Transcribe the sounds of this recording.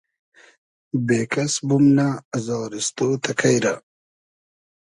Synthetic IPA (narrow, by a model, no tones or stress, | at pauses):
bekasbumnaːzɑːɾɪst̪ot̪ʰakʰajɾa